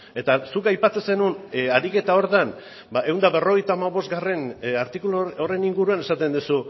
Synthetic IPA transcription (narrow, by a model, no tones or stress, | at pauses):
e̞t̪asukajpat͡se̞se̞nunaɾike̞t̪ao̞ɾðan | baʔe̞wnd̪aβe̞ro̞ɣ̞e̞jt̪aːmaβo̞zɡare̞naɾt̪ikuloore̞niŋɡuɾuane̞sat̪e̞nd̪usu